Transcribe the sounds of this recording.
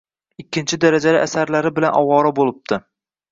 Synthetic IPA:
ɪkʲːɪnt͡ʃʰɪd̪aɾad͡ʒalɪʔasaɾlaɾɪbɪlanʔɒwɒɾabolˠɪp̚t̪ʰɪ

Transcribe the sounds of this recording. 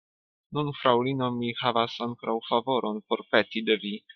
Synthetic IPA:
nunfɾawlino̞mihavasaŋkɾawfavo̞ɾʔo̞npo̞ɾpe̞tid̪evi

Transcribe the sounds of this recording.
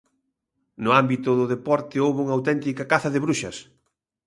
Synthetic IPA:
nʊambit̪ʊðʊðepɔɾt̪ɪowβuŋɐawt̪ɛnt̪ikɐkaθɐðɪβɾuʃɐ̰s

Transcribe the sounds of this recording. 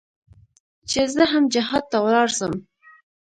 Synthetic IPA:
t͡ʃezəɦamd͡ʒɪɦɑd̪̚t̪awlɑɾsəm

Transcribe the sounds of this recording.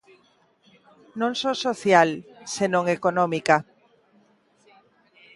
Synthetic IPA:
nõŋsosoθjalsenõŋekonõmika

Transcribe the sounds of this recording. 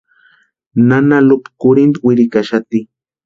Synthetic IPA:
nanalopi̥kʊɾɪnt̪wɪɾɪkaʃat̪i

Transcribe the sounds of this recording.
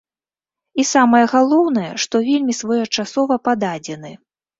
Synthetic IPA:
isamɐjɐɣalˠɔwnɐjɛ̰ʂt̪ɔvʲelʲmʲisvɔjɛt͡ʂasɔvɐpad̪ad͡zʲɛn̪ɨ

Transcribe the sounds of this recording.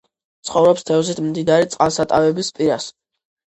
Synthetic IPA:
t̪sʰχɔvɾɔpst̪ʰɛvsit̪ʰmd̪id̪aɾit̪sʼqʼalˠsat̪ʼavɛbispʼiɾas

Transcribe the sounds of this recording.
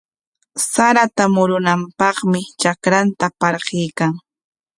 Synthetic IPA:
saɾat̪amʊɾʊnampɑχmɪt͡ʃakɾant̪apɑɾɢɪjkaŋ

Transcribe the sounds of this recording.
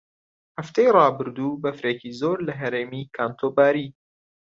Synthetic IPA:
hɐft̪ʰejrˤɑːbɨɾd̪ubɐfɾekizoːɾlɐɦɐɾeːmikʰaːnt̪ʰoːbaːɾiː

